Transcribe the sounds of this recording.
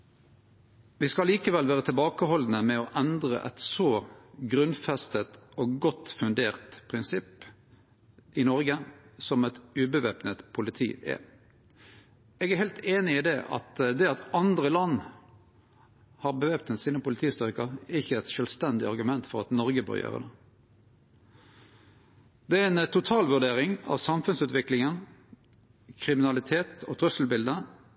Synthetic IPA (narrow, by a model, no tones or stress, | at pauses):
ʋɪskɑliːkəʋɛlʋæːʁət̪ʰɪlbɑːkəɦɔln̩əmɛɔʔɛnd̪ʁə̰ʔɛ̰t̪sɔɡɾʉnfɛst̪ət̪oːɡɔt̪fʉnd̪eːʁt̪pʰʁɪnsɪp | ʔɪnɔɾɡəsɔmɛt̪ʉːbəʋeːpnət̪pʰʊlɪt̪ʰḭːʔɛ̰ | ɛɡæhɛɪlt̪eːnɪɪd̪ɛʔɑ̰t̪d̪ɛɑt̪ɑnd̪ʁəlɑnː | hɑːɾbəʋeːpt̪ɛnsiːnəpʊlɪt̪ʰiːst̪ʏʁɪkəɛɪçːəɛt̪ʃœːlst̪ɛnd̪ɪɑʁɡʉmɛnt̪fɔʁɑt̪nɔɾɡəbø̰ːɾjø̰ːʁə̰d̪ɛ | d̪̥ɛæɛnt̪ʊt̪ʰɑːlʋʉʁɖ̪eːɾɪŋɑ̰ʋsɑmfʉnsʉːt̪ʋɪklɪŋən | kʰɾɪmɪnɑlɪt̪ʰeːt̪ʰɔt̪ʰʁʉsəl̩bɪld̪ə